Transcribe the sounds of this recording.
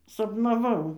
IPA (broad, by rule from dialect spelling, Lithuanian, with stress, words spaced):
sɐpnɐˈʋɐʊ